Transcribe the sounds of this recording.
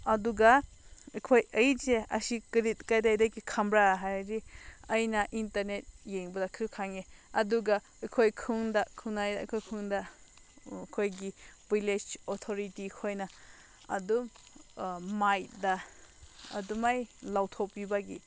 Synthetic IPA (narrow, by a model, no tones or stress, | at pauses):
ɐduɡɐ | kʰojɐjzeɐ̰sikɾitkajdajdajkikʰamɾaɦajɾiɐjnɐʔintɐɾnet̚jeŋbɐdɐkʰɯkʰaŋeɐduɡa | jkʰojkʰɯŋdakʰɯŋnaj̰jkʰojkʰɯŋdɐ | kʰojɡibiled͡ʒotʰoɾitikʰojnɐ | ɐ̰dum | majdɐ | ɐ̰dumajlawtʰopibaɡḭ